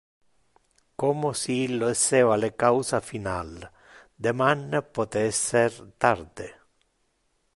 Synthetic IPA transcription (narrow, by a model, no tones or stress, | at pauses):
komosiilːoeseːvalekawsafinal | d̪emanːpot̪eɛsːert̪ard̪e